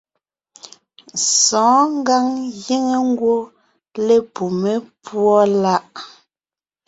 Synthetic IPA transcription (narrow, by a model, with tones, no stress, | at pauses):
sɔ̃ː˨˦ŋ˦ɡa˦ŋɣi˦ŋe˨ŋ̩˦ɡwo˦ | le˦pu˨me˦pwɔ˦la˦ʔ